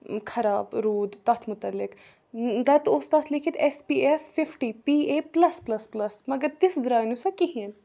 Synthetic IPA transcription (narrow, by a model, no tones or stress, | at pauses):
kʰɐɾaːbɾuːd̪t̪ɐt̪ʰmʊt̪ɐlːɪk | d̪ɐt̪ost̪ɐt̪ʰlɪkʰit̪ɛspiːefːɪfʈipiːeːplɐsplɐsplɐsmɐɡɐɾt̪ɪsd̪ɾaːnusɐkiɦĩn